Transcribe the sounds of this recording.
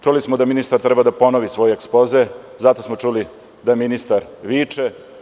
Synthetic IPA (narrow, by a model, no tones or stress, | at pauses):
t͡ʃulismod̪aminist̪aɾt̪ɾɛbad̪apo̞noʋisʋo̞jeeksploze | zat̪o̞smot͡ʂuli | d̪aminist̪aɾʋiːt͡ʂe